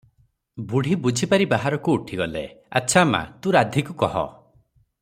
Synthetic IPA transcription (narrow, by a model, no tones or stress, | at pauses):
buɽ̤ʱibud͡ʒʱipaɾibaɦaɾɔkuːʈʰiɡɔlḛa̰tːʃʰama̰t̪ũɾad̪ʱikukɔɦɔ̰